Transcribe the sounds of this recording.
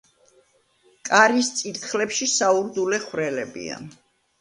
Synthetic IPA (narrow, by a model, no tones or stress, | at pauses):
kʼaɾist̪sʼit̪χlɛpʃisauɾd̪ulɛχwɾɛlɛbḭa̰